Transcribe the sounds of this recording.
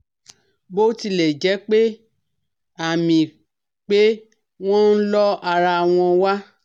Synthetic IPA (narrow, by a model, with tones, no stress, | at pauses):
bo˦ti˧lɛ˨d͡ʒɛ˨˦k͡pe˦ | a˦˨mĩ˨ | k͡pe˦ | w̃ɔ̃˦n̩˦lɔ˦a˧ɾa˧w̃ɔ̃˧wa˦